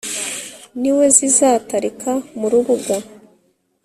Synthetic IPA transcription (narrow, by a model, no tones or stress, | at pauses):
niwe̞zizaːtaɾikʰamuɾuβuɡa